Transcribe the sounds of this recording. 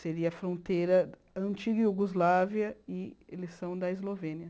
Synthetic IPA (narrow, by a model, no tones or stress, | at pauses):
seɾiɐfɾõnt̪ejɾɐ | ɐ̃nt͡ʃiɡɐjuɡozlaviɐɪelesɐ̃w̃d̪ɐezlovẽniɐ